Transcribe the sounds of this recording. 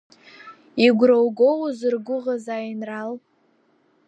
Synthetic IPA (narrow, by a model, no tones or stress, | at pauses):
iɡʷrowɡowzɨrɡʷʊʁazajinral